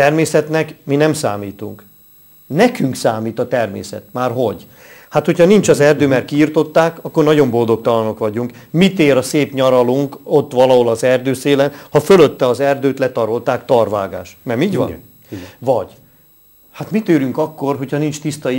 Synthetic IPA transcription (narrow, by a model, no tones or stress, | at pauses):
t̪ɛrmeːsɛt̪nɛkminɛmsa̰ːmiːt̪uŋk | nɛkyŋksaːmiːt̪ɒt̪ɛrmḛːsɛ̰t̪maːrɦo̞ɟ | hat̪ho̞cʰɒnint͡ʃɒzɛrd̪øːmɛrkiːrt̪o̞t̪ːaːkɒkːo̞rnɒɟo̞mbo̞ld̪o̞k̚t̪ɒlɒno̞kʋɒɟuŋkmit̪eːɾɒseːpɲɒɾɒluŋko̞t̪ːʋɒlɒɦo̞lɒzɛrd̪øːseːlɛnhɒføløt̪ːɛɒzɛrd̪øːt̪lɛt̪ɒɾo̞lt̪aːkt̪ɒrva̰ːɡa̰ːʃnɛmiːɟʋɒ̰ | vɒɟ̥ | hat̪mit̪øːɾyŋkɒkːo̞rɦo̞cʰhɒnint͡ʃt̪ist̪ɒi